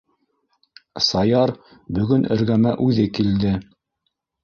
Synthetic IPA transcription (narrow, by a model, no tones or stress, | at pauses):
sɑjɑɾ | bɵ̆ɡɵnɘ̆ɾɡæmæʔʉðɘkild̪ɘ